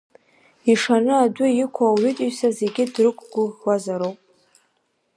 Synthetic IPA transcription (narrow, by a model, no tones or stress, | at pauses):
iʂanɨadʷʊjɪkʷʰawɥʏtʼuɥsaze̞ɡʲɪdrɨkʷʼɡʷʊʁwazaɾowpʼ